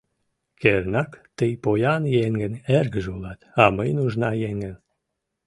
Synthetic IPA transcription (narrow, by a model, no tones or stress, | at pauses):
keɾnɑkt̪əjpojɑnjeŋɡənerɡəʒulɑt̪ɑməjnuʒnɑjeŋɡən